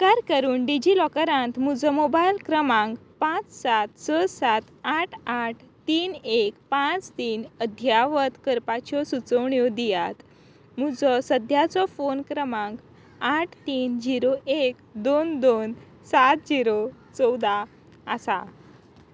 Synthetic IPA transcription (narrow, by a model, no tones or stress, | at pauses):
kaɾkəɾuːnɖid͡ʑilɔkəɾãnt̪m̤ud͡zɔmobailkɾəmãŋɡpãt͡ssat̪səsat̪aʈʰaʈʰt̪iːnekpãt͡st̪iːnəd̪ʱjaʋət̪kəɾpat͡ɕɔsut͡səʋɳjɔd̪ijat̪ | m̤ud͡zɔsəd̪ʱjat͡sɔfonkɾəmãŋɡ | aʈʰt̪iːnd͡ʑiɾoʔekd̪ond̪on | sat̪̚d͡ʑiɾot͡sɔwd̪aː | sa